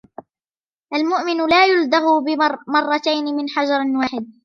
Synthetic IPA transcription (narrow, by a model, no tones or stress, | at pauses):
ʔalmʊʔmɪnʊlaːjʊld̪aɦʊbɪmɑrˤːɑt̪ajnɪmɪnħad͡ʒɑɾˤwaːħɪd̪̚